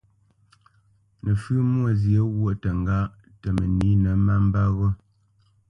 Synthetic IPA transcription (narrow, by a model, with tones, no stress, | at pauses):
nə˨fʉ˦mwo˦˨zje˨˦ɣwo˦˨tə˨ŋ˨ɡa˦˨ʔ | tə˨mə˨ni˨˦nə˨˦ma˦m̩˦ba˦ɣɔ˦